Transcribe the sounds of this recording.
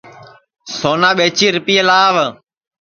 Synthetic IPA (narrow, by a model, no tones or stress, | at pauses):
soːnaːɓeːt͡ʃiːɾʊpiːelaːʋ